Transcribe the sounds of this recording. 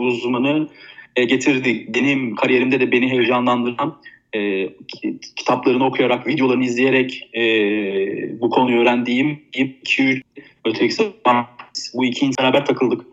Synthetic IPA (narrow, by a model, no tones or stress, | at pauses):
uzmanɯɛɟe̞t̪ʰiɾd̪id̪enimkʰaɾije̞ɾimd̪ɛd̪ɛbe̞niɦejd͡ʒanlˠand̪ɯɾanɛː | cʰi̥t̪ʰaplˠaɾɯnɯo̞kʰujaɾakvid̪jolˠaɾnizlʲije̞ɾɛcɛː | bukʰo̞nuøːɾænd̪iːmipicʰiy | øt̪ʰʲicisɛasbuicʰiːnt̪ʰeɾaːbæɾt̪ʰakʰɯlˠd̪ɯk